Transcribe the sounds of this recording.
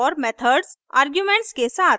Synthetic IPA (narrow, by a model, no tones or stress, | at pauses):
ɔːɾmɛt̪ʰəɾɖsa̰ːɾɡjumẽɳʈskesaːt̪